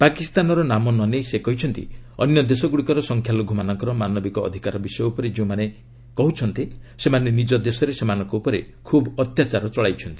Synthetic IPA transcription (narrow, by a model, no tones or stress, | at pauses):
pakist̪anɔɾɔnamɔnɔnejsekɔɦit͡ʃʰɔnt̪ḭɔ̰njɔd̪esɔɡuɽikɔɾɔsɔŋkʰjalɔɡʱumanɔŋkɔɾɔmanɔbikɔ̰ːd̪ʱikaɾɔbisɔjɔupɔɾed͡ʒeũmane | kɔɦut͡ʃʰɔnt̪isemanenid͡ʒɔd̪esɔɾesemanɔ̃ŋkɔupɔɾe | kʰubɔt̪jat͡ʃaɾɔt͡ʃɔɭajt͡ʃʰɔnt̪i̥